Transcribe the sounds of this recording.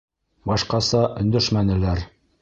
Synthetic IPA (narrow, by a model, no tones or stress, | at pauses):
bɑʃqɑsɑʔɵ̆nd̪æʃmænɘ̆læɾ